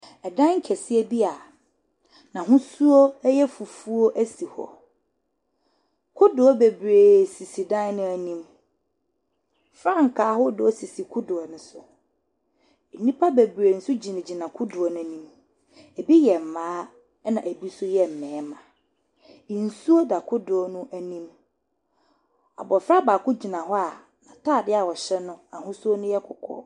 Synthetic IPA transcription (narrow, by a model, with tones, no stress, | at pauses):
ɛ˨dã˦ŋ̩˦kʰɛ˨sɪ˦ɛ˦bi˦a˨ | nã˨ɦʊ̃˦su˦o˦jɛ˦fu˨fu˦o˦ʔæ˦si˨hɔ̰˨ | kʰʊ˦dʊ˨ɔ˦be˨bɾeː˨si˨si˨dã˦n˦nʊ̃˦æ˨nĩ˦m | fɾã˦˨ŋ̩˨kʰaː˨˦hɔ˦dʊ˨ɔ˦si˨si˨kʰʊ˦dʊ˨ɔ˨nɪ̃˨sʊ˨ | nĩ˦pʰa˦be˨bɾe˨n̩˨sʊ˦d͡ʑi˨nã˨d͡ʑi˨nã˨kʰʊ˦dʊ˨ɔ˨nʊ̃˦nĩ˦m | ɛ˨bi˦jɛ˨m̩˨mãː˦ | nã˨ʔæ˨bi˦sʊ˦jɛ˦m̩˨mɛ̃ː˨˦mã˨ | ĩ˨n̩˨su˦o˦da˨kʰʊ˦dʊ˨ɔ˦nʊ̃˦ʔæ˨nĩ˦m | a̰˨bɔ˨fɾa˦baː˨kʰʊ˦d͡ʑi˨nã˨ɦɔ˦a˨ | nã˨tʰaː˦˨dɪ˦a˨wɔ˨ɕɛ˦nʊ̃˦a˨hʊ̃˦su˦o˦nʊ̃˦jɛ˦kʰʊ˨kʰɔ̰˦